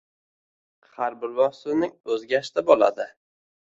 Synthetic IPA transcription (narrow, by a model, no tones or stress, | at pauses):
χaɾbɪlvɒsɪnɪŋɵzɡʲaʃt̪ɪbɒla̰d̪ɪ